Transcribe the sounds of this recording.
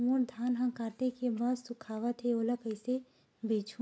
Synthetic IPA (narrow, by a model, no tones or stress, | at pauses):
muːɾd̪ʱaːnɦə̃kaːɾt̪ekebaːd̪sʊkʰaːʋət̪ɦeoːləkəɪse | beːt͡ʃʰu